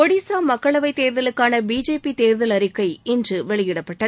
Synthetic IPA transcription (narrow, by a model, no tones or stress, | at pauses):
ɔɽisaːmɐkːɐɭɐʋɐɪt̪eːɾðɐlɯkːaːnɐbiːd͡ʒeːpit̪eːɾðɐlɐɾɪkːɐɪɪndrɯʋɛɭɪjɪɽɐpːɐʈːɐ